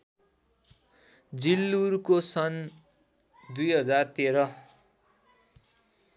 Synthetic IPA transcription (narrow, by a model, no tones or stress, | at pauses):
d͡zilːuɾkosʌn | d̪ujɦʌd͡zart̪eɾʌ